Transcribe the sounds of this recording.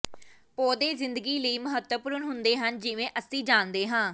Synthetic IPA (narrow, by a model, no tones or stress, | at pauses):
poːd̪eːzɪnd̪əɡiːləiːməɦət̪wəpʊːɾənɦʊnd̪eːɦənd͡ʒɪʋẽːʔəsĩːd͡ʒaːnd̪eːɦãː